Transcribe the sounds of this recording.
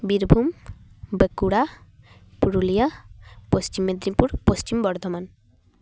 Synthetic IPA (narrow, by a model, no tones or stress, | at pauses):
biɾbʱumbekuɽa | puɾulijapost͡ʃimːed̪ɾipuɾpost͡ʃimbɔɾd̪ʱɔman